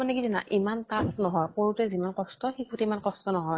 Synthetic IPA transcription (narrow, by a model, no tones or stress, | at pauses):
anɛkizɛna̰ʔimantasnɔɦɔjkoɹutɛzimankɔstɔxikutɛimankɔstɔnɔɦɔj